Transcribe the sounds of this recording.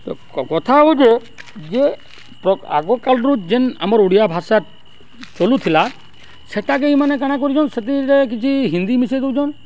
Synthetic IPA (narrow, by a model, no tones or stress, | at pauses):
t̪ɔ̰kɔkɔt̪ʰaɦud͡ʒe | d͡ʒe | pɾɔa̰ɡɔkalɾud͡ʒena̰mɔɾuɽijabʱasat | t͡ʃolut̪ʰila | seʈakeimanek̬aɽ̃ak̬ɔɾid͡ʒɔnset̪̬iɾek̬it͡ʃʰiɦind̪imised̪ewd͡ʒʰɔn